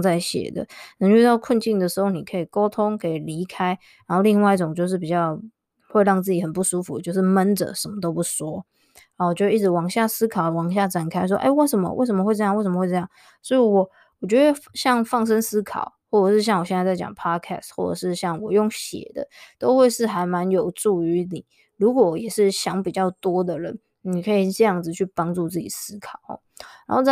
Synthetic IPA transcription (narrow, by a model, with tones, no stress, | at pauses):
ŋt͡sa˥˩ɪɕjɛ̰˨˩d̪ə̰˦nɤ˧˥ŋy˥˧t̪ɑ˥˧ʊkʰwə˥˧nt͡ɕi˥˩nd̪ə˩ʂɻ̩˧˥xo˥˩ʊni˨˩kʰɤ˧˥i˨˩ko˥ʊt̪ʰʊ˥ŋkʰɤ˧˥i˨˩li˧˥kʰa˥ɪ | ɻa˧˥nxo˥˧li˥˧ŋwa˥˧ɪi˥˩ʈ͡ʂʊ˨˩ŋt͡ɕjo˥˧ʊʂ̬ɻ̩˥˩p̬i˨˩t͡ɕjɑ˥˩ʊ | xwe˥˧ɪɻɑ˥˧ŋt͡sɹ̩˥˩t͡ɕi˨˩hə˨˩npu˥˩ʂu˥fu˨˦t͡ɕjo˥˧ʊʂɻ̩˥˩mə˦nʈ͡ʂə̰˨˩ʂə˧˥nmə˧t̪o˥ʊpu˥˩swɔ˦˥ | a˧˩wɔ˨˩t͡ɕɥd̪ə˧i˥˩ʈ͡ʂɻ̩˧˥wɑ˨˩ŋɕja˥˩sɹ̩˥kʰɑ˨˩ʊ˨wɑ˨˩ŋɕ̬ja˥˩ʈ͡ʂa˨˩nkʰa˥ɪʂ̬wɔ˦ʔḛ˥˧ɪwe˥˩ɪʂə˧˥mə̰˧wḛ˥˩ʂ̬ə˧˥mə˧wɪʈ͡ʂɤ˥˧jɑ˥˧ŋwʂə˧mə˧xwe˥˧ɤ˧jɑ˥˨ŋ | sɔ˧˥i˨wɔ˨˩ | wɔ˨˩t͡ɕɥɛ˧˥d̪ə˥˧ɕjɑ˥˧ŋfɑ˥˩ŋʂ̬ə˥nsɹ̩˥kʰɑ̰˨˩˦ʊxwɔ˥˩ʈ͡ʂə˨˩ʂɻ̩˥˧ɕjɑ˥˩ŋwɕjɛ˥˧nt͡sa˥˧t͡sa˥˩ɪt͡ɕjɑ̰˨˩ŋpʰɑ˦˥kʰɛ̰˥˩stxwɔ̰˥˩ʈ͡ʂə̰˨˩ʂɻ̩˥˧ɕjɑ˥˩ŋwɔ˨˩jo˥˩ŋɕjɛ̰˨˩d̪ə̰˦t̪o˥ʊxwe˥˧ɪʂɻ̩˥˩xa˧˥ɪma˧˦njo˨˩ʊʈ͡ʂu˥˩y˧˥ni˨˩˦ | ɻu˧˥kwɔ˨˩jɛ˨˩ʂɻ̩˥˩ɕjɑ˧˥ŋpi˨˩t͡ɕjɑ˥˩ʊt̪wɔ˥d̪ə˨ɻə̰˧˦n | ni˨˩kʰɤ˧˥i˨˩ʈ͡ʂɤ˥˧jɑ˥˩ŋd͡zɹ̩˨˩t͡ɕʰy˥˩pɑ˥ŋʈ͡ʂu˥˧t͡s̩˥˩t͡ɕḭ˨˩sɹ̩˥kʰɑ˨˩ʊ̰˨˦ | na˧˥nho˥˧ʊt͡s